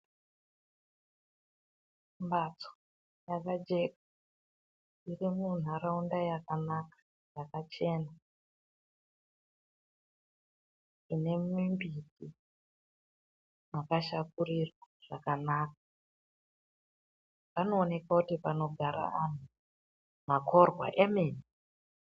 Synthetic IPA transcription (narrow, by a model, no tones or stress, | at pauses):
mbat͡so̥ | jakad͡ʒe̞kḁ | irimun̤aɾaundajakanakḁ | jakat͡ʃe̞ːna | ʐine̞mimbiti | makaʃakurirwaʐ̥akanaːk̚ḁ | pano̞ːne̞kakutipano̞ɡʱaɾa̰an̤u | mako̞rwa̰ʔemeːni